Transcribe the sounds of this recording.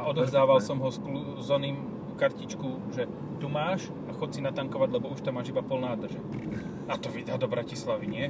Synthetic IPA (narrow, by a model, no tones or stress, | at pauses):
aʔɔd̪ɔzd̪aːʋalsɔmɦɔsklu | zɔniːm | kaɾcit͡ʃkuʒɛ | t̪umaːʃ | axɔtsinat̪aŋkɔʋaɟlɛbɔuʃt̪amaːʒibapɔlnaːd̪r̩ʒɛ | at̪ɔʋid̪aːd̪ɔbɾacislaʋiɲɪɛ